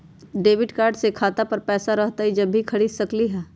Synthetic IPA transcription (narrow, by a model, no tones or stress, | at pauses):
ɖeːʋɪɖkaːɾɖsekʰaːt̪apɐɾpɛːsaɾɐɦt̪aɦid͡ʒɐbʱːikʰɐɽiːd̪sɐkliɦɛː